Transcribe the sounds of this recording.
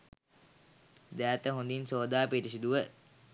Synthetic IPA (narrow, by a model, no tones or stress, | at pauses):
d̪æːt̪əɦund̪insoːd̪aːpeʈis̬id̪uʋə